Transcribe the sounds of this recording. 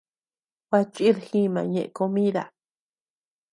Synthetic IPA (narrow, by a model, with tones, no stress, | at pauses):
wa˧t͡ʃʼi˦ɾxĩ˦mã̰˨ɲẽ˨ʔko˧mĩ˦ða̰˨